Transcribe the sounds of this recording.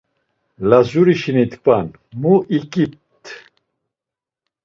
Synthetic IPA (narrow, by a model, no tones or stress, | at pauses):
lazuɾiʃinit̪kʼan | muʔikʼip̚t̪ʰ